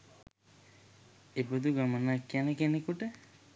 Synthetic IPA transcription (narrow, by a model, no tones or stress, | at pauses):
epod̪uɡamənakːjanekenekuʈə